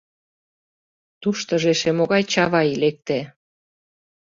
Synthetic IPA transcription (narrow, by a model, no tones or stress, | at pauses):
t̪uʃt̪ə̆ʒeʃemoɣɑjt͡ɕɑβɑjlek̚t̪e